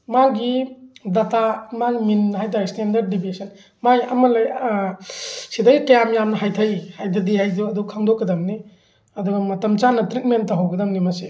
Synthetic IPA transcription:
maɡidatamaɡminːɦajt̬ʰajistendɐɾd̚ːibisɐn | majʔɐmɐlaj | sidaɡikɐjamjamnɐɦajtʰajihajtʰadihajduɐdɔkʰaŋdɔkːɐdɐmni | ɐdɔɡɐmɐtɐmt͡ʃanɐtɾit̚mentːaɦawkɐdɐmnimase

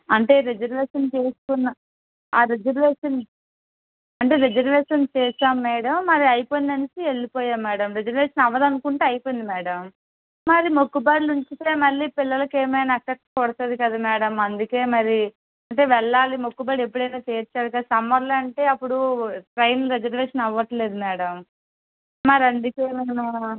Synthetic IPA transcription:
ɐɳʈe̞ːɾed͡ʒɐɾʋeːʂɐnt͡ʃe̞ːsu̥kunːɐ | aːɾed͡ʒɐɾʋeːʂɐn | ɐɳʈe̞ːɾed͡ʒɐɾʋeːʂɐnt͡ʃɛːsaːmːɛːɽɐmːɐɾiɐjipoːjnd̪ɐnisieɭːipɔːjaːmːɛːɽɐmɾed͡ʒɐɾʋeːʂɐnɐʋɐd̪ɐnukuɳʈeːɐjpojind̪imɛːɽɐm | mɐɾimo̞kːubaːɽiluɲt͡ʃit̪eːmɐlːiːpilːɐlɐkeːmɐjnaɐksep̚ʈkɔːɽɐt̪ɐd̪ikɐd̪aːmɛːɽɐmɐnd̪uke̞ːmɐɾi | ɐɳʈe̞ːʋɛɭːaːlimo̞kːubaːɽiepːuɽɐjnaːt͡ʃeːɾt͡ʃːaːɽukɐd̪sɐmʋɐɾlaɐɳʈe̞ːɐpːuɽuʈɾɐjnlɾed͡ʒɐɾʋeːʂɐnɐʋːɐʈle̞ːd̪umɛːɽɐm | mɐɾiɐnd̪ukeːmɐːna

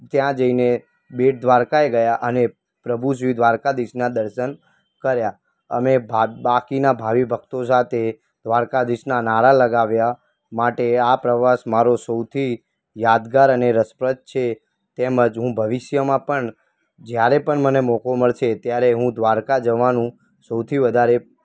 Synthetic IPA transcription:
t̪jãd͡ʒəine | beʈ̚d̪ʋaɾkaeɡəjaʔəne | pɾəbʱuʃ̬ʋid̪ʱʋaɾkad̪iʃnad̪əɾʃən | kəɾja | əmebʱabakinabʱaʋibʱək̚t̪osat̪ʰe | d̪ʋaɾkad̪iʃnanaɾaləɡaʋja | maʈeapɾəʋaʃmaɾosəwt̪ʰi | jad̪ɡaɾəneɾəspɾət̪̚t͡ʃʰe | t̪eməd͡ʒɦũbʱəʋɪʃjəmãpəɳ | d͡ʒjaɾepəɳmənemɔkoməɭʃet̪jaɾeɦũd̪ʋaɾkad͡ʒəʋanũ | səwt̪ʰiʋəd̪ʱaɾe

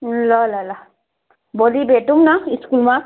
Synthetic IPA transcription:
lɔlɔla | bolibetumnaiskulma

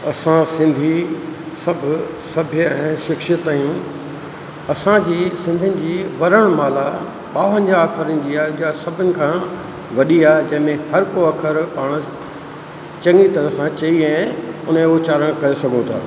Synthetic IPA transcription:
ɐsãsɪ̃nd̪ʱi | sɐbʱʊ | sɐbʱjəɛ̃ːʃɪkʃət̪aːjũ | ɐsãd͡ʑiːsɪ̃nd̪ʱənɪ̆d͡ʑiːʋɐɾəɽ̃maːla | ɓaːʋə̃ɲd͡ʑːkʰəɾənɪ̆d͡ʑiːaːd͡ʑasɐbʱənɪ̆kʰã | ʋɐɗiaːd͡ʑɐ̃ɦɪ̃mẽhɐɾkoɐkʰəɾpaːɽ̃ | t͡ɕɐ̃ŋɡit̪ɐɾəsãt͡ɕɐiãːʊn̤ẽot͡ɕaːɾəɽ̃kɐɾesɐɡʱũt̪ʰa̰ː

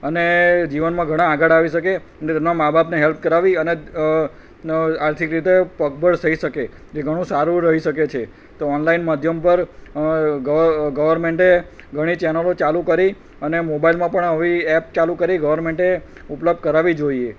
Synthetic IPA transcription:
əned͡ʒiʋənmãɡʱəɽ̃ãːɡəɽaʋiʃəke | ənet̪ɛnãmabʱapneɦelp̚kəɾaʋiəne | aɾt̪ʰikɾit̪epəkbʱəɽt̪ʰəiʃəke | d͡ʒeɡʱəɽ̃ũsaɾũɾəɦiʃəket͡ʃʰe | t̪oɔnlainməd̪ʱjəmpəɾ | ɡəɡəʋəɾmeɳʈe | ɡʱəɽ̃it͡ʃɛnəlot͡ʃalũkəɾi | ənemobailmãpəɳəʋiɛp̚t͡ʃalukəɾiɡəʋəɾmẽɳʈe | upləb̚d̪̚kəɾaʋid͡ʒoie

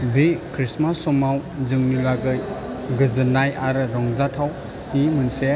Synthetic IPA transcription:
bekʰɾismasɔmawzɯŋnilaɡɯj | ɡɯzɯnajaɾɾɔŋzatʰaw | himɯnse

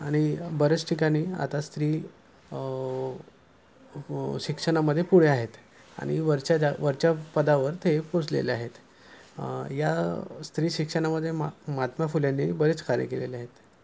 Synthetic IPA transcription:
aɽ̃ibəɾət͡sʈʰikaɽ̃iːa̰t̪ast̪ɾiː | ɕikʂəɽ̃aməd̪ʱːjepuɽ̤eaɦet̪ | a̰ɽ̃iʋəɾt͡ɕaaʋəɾt͡ɕjapəd̪aʋəɾt̪ʰepod͡zlḛleaɦet̪ | jast̪ɾiːɕikʂəɽ̃aməd̪ʱːjemmat̪mafuljanːibəɾet͡skaɾjə̰keleleaɦet̪

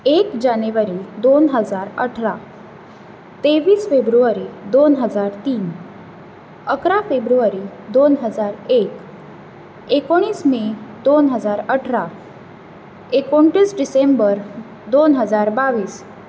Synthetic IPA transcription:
ekd͡ʑaneʋəɾid̪onɦəd͡zaɾəʈʰɾa | t̪eʋiːsfebɾuʋaɾid̪onɦəd͡zaɾt̪iːn | əkɾafebɾuʋaɾid̪onɦəd͡zaɾek | ekoɽ̃iːsmed̪onɦəd͡zaɾəʈʰɾa | ekoɳʈiːsɖisembəɾ | d̪onɦəd͡zaɾbaʋiːs

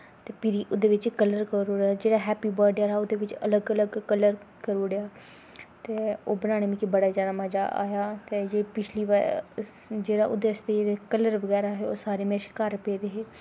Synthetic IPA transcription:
t̪eːpɪɾiːʔʊd̪eːʋɪt͡ʃkələɾkəɾoːɽjaːd͡ʒeːɽaːɦɛːpiːbɔːɖaːɾaːʊd̪eːʋɪt͡ʃələɡələɡkələɾ | kəɾoːɽejaː | t̪eːoːbənaːɽ̃eːʋĩːkibəɽaːzjaːd̪aːməd͡ʒa̰ːʔa̰ːjaːt̪eːd͡ʒeːpɪt͡ʃʰliːʋ | d͡ʒeːɽa̰ːʔʊ̰d̪eːəst̪eːd͡ʒeːɽekələɾʋəɡɛːɾaːɦeːo̰ːsaːɾeːmẽːʃkaːɾpeːd̪eɦeː

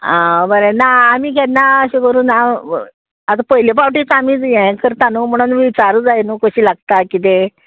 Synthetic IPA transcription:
ãbəɾẽnaːmiːkɛt̪naəɕẽkəɾuːna | at̪apəjlepawʈit͡samid͡zjɛ̃kəɾt̪anum̤əɽ̃unʋit͡saɾud͡zajnukəɕiːlaɡ̚t̪akit̪̬e

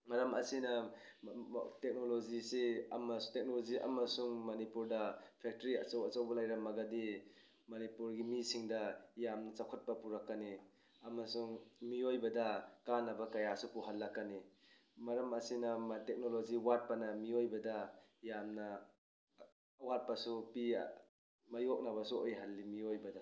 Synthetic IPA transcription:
mɐɾɐmɐsinɐ | tek̚noloziseɐmɐstek̚noloziʔɐ̰mɐsuŋmɐnipuɾdɐpʰek̚tɾiɐ̰t͡ʃɐwɐt͡ʃawbɐlajɾɐmɐɡadi | mɐnipuɾɡimisiŋdɐjamnɐt͡ʃakʰɐt̚pɐpuɾakːani | ɐmɐsuŋmiojbɐdɐkanːɐbɐkɐjasupuɦalːakːani | mɐɾɐmɐsinɐmatek̚noloziwat̚pɐnɐmiojbɐdɐjamnɐ | wat̚pɐsupi | mɐjok̚naβɐsuojɦalːimiojbɐdɐ

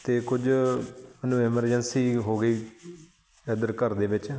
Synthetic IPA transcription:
t̪eːkʊd͡ʒmənũːɛməɾd͡ʒənsiːɦoːɡəiː | ɛd̪əɾkəɾd̪eːʋɪt͡ʃ

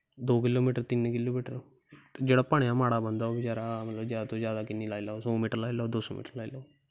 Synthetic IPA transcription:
d̪okilomiʈəɾt̪iːnːəkilomiʈəɾ | d͡ʑeɽapaɳjamaɽabənd̪ʱaoʋit͡ɕaɾamət̪ləbd͡ʑjat̪od͡ʑjad̪akinːilajlasomiʈəɾlailad̪osomḭʈəɾlajla

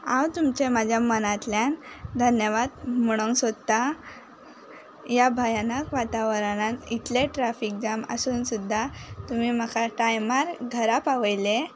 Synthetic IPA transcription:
ãwt̪umt͡ɕemad͡ʑʱjamənat̪ljand̪ʱənjəʋad̪məɽ̃oŋsod̪t̪a | jabʱajanəkʋat̪aʋəɾaɽ̃ãnit̪leʈɾafik̚d͡ʑamə̰suːnsud̪ʱːat̪umim̤əkʰaʈajmaɾɡʱəɾapaʋəjle

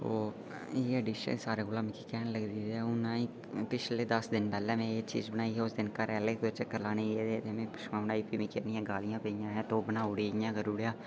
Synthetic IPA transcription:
o̰ː | iːəɖiːʃə̰nsaːɾeːɡolaːmɪ̃kikɛːnləɡd̪iːd̪ɛːʊnãːĩː | pɪt͡ʃleːd̪əsd̪ɪnpɛːlɛːmẽːeːt͡ʃḭːzbənaːiːɦɛːʊsd̪ɪnkəɾɛːleːkot͡ʃekəlaːneːeːd̪et̪eːmẽːpɪʃmãːbənaːiːpiːmĩːkenɪjãːɡaːlɪjãːpeːijãːɦɛːt̪oːbənaːʊɽiːɪjãːɡəɾuːɽjaː

